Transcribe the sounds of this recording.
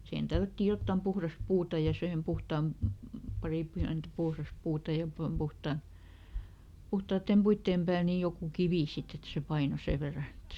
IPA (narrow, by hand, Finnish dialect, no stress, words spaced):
sihen tælːætːiːj jotːɑˑm puhrɑs puːtɑ jɑ sihem puhtɑːm pɑri piæntæ̆ puhrɑs puːtɑ jɑ pom puhtɑˑ puhtɑːtːeˑm puitːeːm pæːl ni jokuˑ kiʋiˑ sit et se pɑino seˑ ʋerːɑ etː e